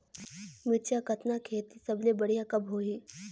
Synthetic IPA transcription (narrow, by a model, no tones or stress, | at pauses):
mɪt͡ʃjakɐt̪nakʰeːt̪isɐblebɐɽijakɐbʱɦoːiː